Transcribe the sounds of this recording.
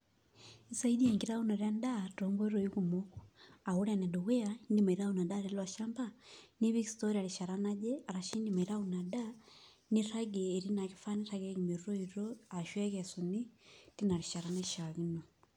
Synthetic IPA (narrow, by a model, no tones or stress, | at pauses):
isaidiɛŋɡiɾaunaɾandatɔmbɔiɾɔikumɔkuauɾanɛduwɛandimaiɾaunadaɾɛlwaʃambaniβikstɔɾialiʃaɾanad͡ʒɛaɾaʃindimaiɾaunada | niɾaɡɛːɾinakifaniɾaɡɛkimiɾuɾɔiɾɔaʃwɛkɛsunitinaliʃaɾanaʃaɣinɔ